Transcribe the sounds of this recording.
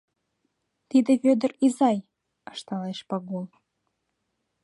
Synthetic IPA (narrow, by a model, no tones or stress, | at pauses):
t̪id̪eβød̪ə̆rizɑj | ɤʃt̪ɑleʃpɑɣolˠ